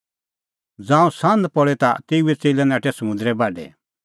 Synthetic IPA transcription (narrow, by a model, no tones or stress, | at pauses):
d͡zãːũsãnd̪pɔɭɛt̪at̪euɛt͡seːlɛnãːʈʰɛsɐmʊ̃nd̪ɾɛbaːɖɛ̰